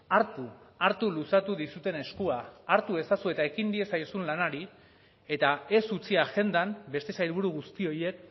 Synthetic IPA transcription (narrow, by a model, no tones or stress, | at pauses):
aɾt̪uaɾt̪ulusat̪uðisut̪e̞ne̞skuaːɾt̪ue̞sasue̞t̪ae̞kind̪ie̞sajosunlanaɾi | e̞t̪ae̞sut͡siaʝe̞nd̪ambe̞st̪e̞sajɾβuɾuɣ̞ust̪io̞je̞k̚